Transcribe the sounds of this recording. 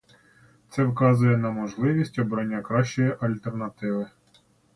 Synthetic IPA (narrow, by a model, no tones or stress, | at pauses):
t̪sɛwkɑzʊjɛnɐmɔʒlˠɪʋʲisʲtʲɔbɾɐnʲːakɾɑʃt͡ʃɔjiʔɐlʲt̪ernɐt̪ɪʋɪ